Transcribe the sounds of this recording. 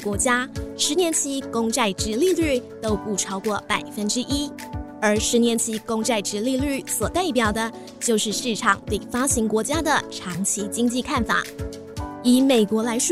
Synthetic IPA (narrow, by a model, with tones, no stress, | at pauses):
kwɔ˧˥t͡ɕja˥ʂɻ̩˧˥njɛ˧˥nt͡ɕʰi˧˥kʊ˥ŋʈ͡ʂa˥˩ɪʈ͡ʂɻ̩˧˥li˥˧ly˥˩t̪o˥ʊpu˥˩ʈ͡ʂʰɑ˥ʊkwɔ˥˩pa˨˩ɪfə˥nʈ͡ʂɻ̩˥ʔi˥ | ə˞˧˥ʂɻ̩˧˥njɛ˧˥nt͡ɕʰi˧˥kʊ˥ŋʈ͡ʂa˥˩ɪʈ͡ʂɻ̩˧˥li˥˧ly˥˩swɔ˨˩t̪a˥˩ɪp̬jɑ˨˩ʊd̪ə˦ | t͡ɕjo˥˧ʊʂɻ̩˥˧ʂɻ̩˥˩ʈ͡ʂʰɑ˨˩ŋt̪we˥˩ɪfa˥ɕi˧˥ŋkwɔ˧˥t͡ɕja˥d̪ə˨ʈ͡ʂʰɑ˧˥ŋt͡ɕʰi˧˥t͡ɕi˥ŋt͡ɕi˥˧kʰa˥˩nfa̰˨˩˦ | i˧˥me˨˩ɪkwɔ˧˥la˧˥ɪʂ